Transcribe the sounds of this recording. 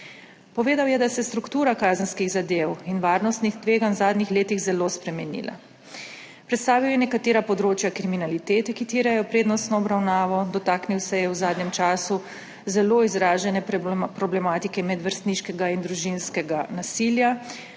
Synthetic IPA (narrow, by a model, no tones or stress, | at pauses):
pɔʋeːd̪awjɛd̪asɛst̪ɾukt̪uːɾakaːzənskiɣzad̪eːwinʋaːɾnɔst̪nixt̪ʋeːɡanwzaːd̪nixleːt̪iɣzɛloːspɾɛmɛnḭːlʔa̰ | pɾɛt̪st̪aːʋiwjɛnɛkat̪eːɾapɔd̪ɾoːt͡ʃjakɾiminalit̪eːt̪ɛkit̪iːɾɛjɔpɾeːd̪nɔst̪nɔːbɾawnaːʋɔd̪ɔt̪aːkniwsɛjɛwzaːd̪ɲɛmt͡ʃaːsu | zɛloːizɾaːʒɛnɛpɾɔblɛmaːt̪ikɛmɛd̪ʋəɾst̪niʃkɛɡaind̪ɾuʒinskɛɡanasilja